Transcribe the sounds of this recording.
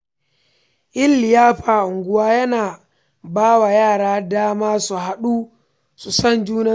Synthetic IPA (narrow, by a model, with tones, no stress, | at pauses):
ʔɪ˦lːɪ˨jaː˦ɸaː˨ʔʊ˨ŋɡʷʊ˦waː˦jɐ˦naː˨ | baː˦wa˨jaː˦˨ɽaː˦daː˦maː˦su˨ɦa˦ɗuː˦ | su˨sɐ˦˨nd͡ʒuː˦nɐ˦